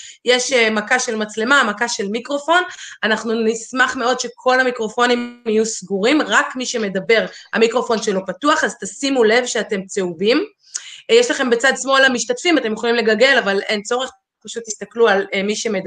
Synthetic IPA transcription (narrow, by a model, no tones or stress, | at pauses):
jeʃemakaʃe̞lmat͡sle̞mamakaʃe̞lmikʁo̞fo̞nanaχnunismaχmeo̞dʃe̞kʰo̞lamikʁo̞fo̞niijusɡuʁimʁakmiʃeme̞dabe̞ʁa̰mikʁo̞fo̞nʃelo̞patuaχazt̪asimule̞vʃeate̞mt͡seubim | jeʃlaχe̞mbet͡sadsmo̞lamiʃtatfimate̞mjoχolimle̞ɡalɡelavale̞nt͡so̞ʁeχ | paʃut̪ːist̪aklualmiʃe̞med